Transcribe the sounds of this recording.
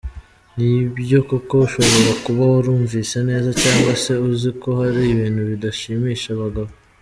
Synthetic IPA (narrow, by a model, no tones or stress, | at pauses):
nibjo̞kuko̞uʃo̞βo̞ɾakuβahoɾuːɱviːsene̞ːzacaːŋɡwase̞uziko̞haɾiβiːn̥huβidaʃiːmiːʃaβaɡaβo